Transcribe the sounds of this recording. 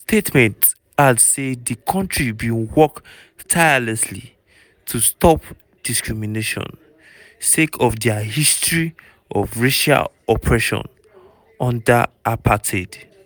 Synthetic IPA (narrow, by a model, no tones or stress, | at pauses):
stʰetmɛ̃nt | adsedikʰɔ̃ntɹibĩwɔk | tʰajalɛslḭ | tʰustʰɔp | d̥iskɹimineʃɔ̰̃n | sekʰɔvdɛahistɹi | ɔvɹeʃa̰l | ɔpʰɹɛʃɔ̰̃n | ɔ̃nda̰ʔapʰatʰed